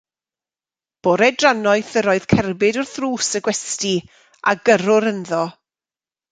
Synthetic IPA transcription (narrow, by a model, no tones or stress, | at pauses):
b̥oːɾɛdranɔɨθəɾɔɨð̥kʰɛrbɪdɔrθruːsəɡwɛsti | a̰ɡəɾʊɾənðɔ